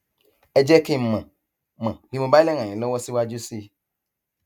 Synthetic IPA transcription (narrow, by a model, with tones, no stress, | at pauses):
ɛ˦d͡ʒɛ˦ke˦˨mɛ̃˨ | mã˨bi˦mõ˨ba˦i˦lɛ˦ŋã˨ĩ˨lɔ˦wɔ˦si˦wa˦d͡ʒo˦si˦